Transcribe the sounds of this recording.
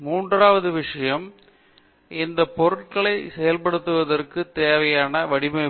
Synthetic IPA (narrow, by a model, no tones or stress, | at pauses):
muːɳɖraːʋɐðɯʋɪʂɐjɐm | ɪnd̪ɐpɔɾɯʈ̚kɐɭɐɪsɛjɐlpɐɽɯt̪ːɯʋɐðɐrkɯt̪eːʋɐjaːnɐʋɐɽɪmɐɪ